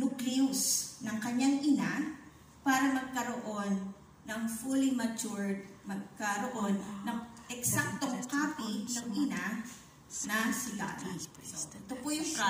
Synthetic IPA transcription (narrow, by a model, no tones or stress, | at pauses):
nukliusnɐŋkɐɲaŋʔɪna | paːɾɐmɐɡ̚kɐɾoʔo̞nː | ɐŋfulimɐt͡ʃuɹd̪̚mɐɡ̚kɐɾoʔo̞nːɐŋʔɛksak̚t̪oŋkaːpinɐŋɪna | nɐsɪla̰bisoɛt̪opojʊŋ